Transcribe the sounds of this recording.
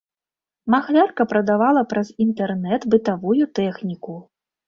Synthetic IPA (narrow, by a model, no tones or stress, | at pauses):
maxlʲarkɐpɾɐd̪avalˠɐpɾɐzint̪ɛrnɛt̪bɨt̪avujut̪ɛxnʲiku